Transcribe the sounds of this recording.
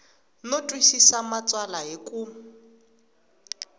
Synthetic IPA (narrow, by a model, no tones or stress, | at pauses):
notʼwisisamat͡sʼwalaɦekʼu